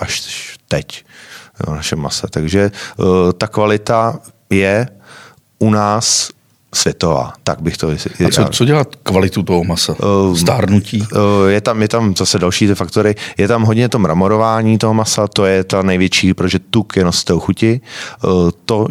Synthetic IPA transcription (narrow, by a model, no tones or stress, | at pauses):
ʔaʃt̪ɛc | naʃɛmːa̰sɛt̪aɡʒɛt̪akvalɪt̪a | jɛ | ʔunaːsː | v̥jɛt̪ova̰ːt̪aɡ̚bɪxt̪ost͡sao̰t͡soɟɛlat̪kvalɪt̪ut̪oɦomasast̪aːɾnuciːjɛt̪amjɛt̪amzasɛdalʃiːt̪ɪfakt̪oɾɪjɛt̪amɦodɲɛt̪o̞mɾamoɾovaːɲiːt̪oɦomasat̪o̞jɛt̪anɛjvjɛt͡ʃiːpɾot̪oʒɛt̪ukjɛnast̪ɛɦoxucɪ | t̪o̞